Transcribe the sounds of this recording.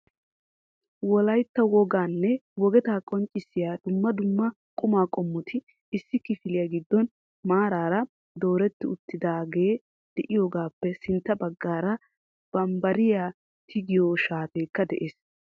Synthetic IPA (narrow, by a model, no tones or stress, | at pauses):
wɔlɐjt̪ːɐwɔɡaːnːɛwɔɡɛt̪aːkʼɔnt͡ʃʼɪsːɪjaːd̪̥ʊmːɐd̪ʊmːɐ | kʼʊmaːkʼɔmːʊt̪ʰɪː | sːɪkɪfɪlɪjaːɡɪd̪ːɔn | maːɾaːɾɐ | d̪oːɾɛt̪ːɪʊt̪ːɪd̪aːɡe̞ː | d̪̥ɛʔɪjoːɡaːpːɛsɪnt̪ːɐbɐɡːaːɾɐ | b̥ɐmbɐɾɪjaː | t̪ʰɪɡɪjoːʃaːt̪eːkːɐd̪ɛ̰ʔeːs